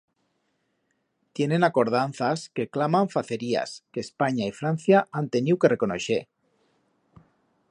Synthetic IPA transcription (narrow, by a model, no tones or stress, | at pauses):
t̪je̞nenako̞ɾð̞anθaske̞klamaɱfaθe̞ɾia̰skeːspaɲaifɾan̟θjaant̪e̞niwkerekonoʃe